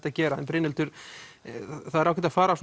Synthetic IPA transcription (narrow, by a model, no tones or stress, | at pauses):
t̪acɛːɾaɛnpɾɪːnɪlt̪ʏɾ̥ | θaðɛɾawcʰɛɾt̪afaːɾas